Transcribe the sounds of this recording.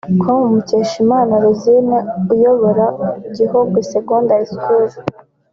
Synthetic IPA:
kʰomumuceʃimaːnaɾuzinaujoβoɾaɟihoɡiseɡoːndaiskʰuzi

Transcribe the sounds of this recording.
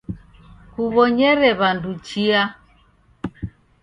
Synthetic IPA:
kuβɔɲɛɾɛβandut͡ʃia

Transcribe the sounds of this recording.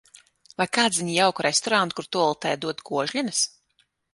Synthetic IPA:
vajkaːd̪zvʲiɲijawkɾɛst̪ɔɾant̪kuɾt̪uɔlˠt̪ɛːjd̪uɔt̪ɡuɔʒʎʲɛnɨs

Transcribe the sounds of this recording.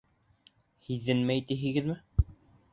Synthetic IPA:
hiðːɘnmæt̪iɦɘ̆ɡɘðmɘ

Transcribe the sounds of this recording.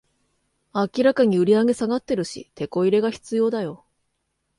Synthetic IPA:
akʲiɾakaɲ̟iɯ̟ɾʲiaɡe̞saɡat̪ːe̞ɾɯ̟ɕḭt̪e̞ko̞iɾe̞ɡaçi̥t͡sɨjo̞ːd̪ajo̞

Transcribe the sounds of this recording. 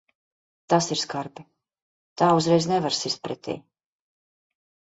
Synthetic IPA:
t̪asiɾskaɾpi | t̪aːuzɾɛjznɛvaɾsist̪̚pɾɛt̪ʰʲḭː

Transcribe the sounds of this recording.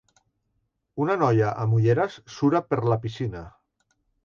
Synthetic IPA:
unanɔjaʔamuʎeɾasːuɾapəɾlapisina

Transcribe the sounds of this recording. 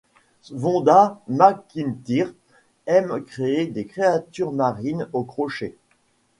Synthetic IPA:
vɔ̃d̪amakint̪iʁ | ɛmkχeed̪ekχeat̪yʁmaʁinokχɔʃe

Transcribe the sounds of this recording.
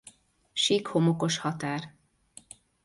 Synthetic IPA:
ʃiːkhomoko̞ʃhɒt̪aːr

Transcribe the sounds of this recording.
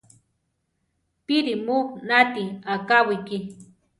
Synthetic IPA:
piɾimuknat̪iakawiki

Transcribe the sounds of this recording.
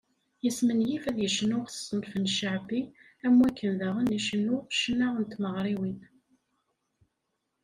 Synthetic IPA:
jəsmənjifæðjəʃənʊʁθsənfənʃaʕbi | æmwækʰːənðæʁəniʃənːʊʁʃənːaʁənt̪məʁɾˤiwin

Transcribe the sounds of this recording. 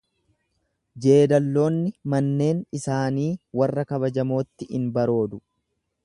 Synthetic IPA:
d͡ʒe̞ːd̪ɐlːo̞ːnːɪmɐnːe̞ːnɪsaːniːwɐrːɐkɐbɐd͡ʒɐmo̞ːt̪ːɪʔɪnbɐɾo̞ːd̪ʊ

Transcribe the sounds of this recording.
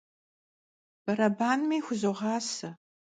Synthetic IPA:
b̥ɐɾɐbaːnmiːxʷʊzoʁɑːsɐ

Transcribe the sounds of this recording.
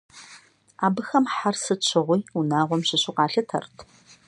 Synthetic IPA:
aːbɨxɐmħarsɨt͡ʃʷʰɪʁʷijunaːʁʷɔmɕɪɕʊqɑːɬɐtʰɐ̰rtʰ

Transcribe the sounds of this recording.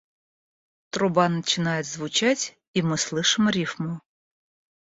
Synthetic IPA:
t̪ɾʊbɑnɐt͡ʃɪnɑjɛzʋʊt͡ʃatʲ | imɪslˠɪʃɪmɔɾʲifmɔ

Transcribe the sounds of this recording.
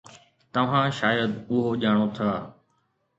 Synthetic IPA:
t̪ɐʋ̤ãːʃaːjəd̪ʊɦoːʄaːɽ̃ot̪ʰaː

